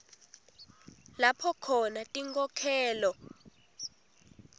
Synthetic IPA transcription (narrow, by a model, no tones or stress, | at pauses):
lapʰɔkʰɔnatʼiŋkʼɔkʰɛːlɔ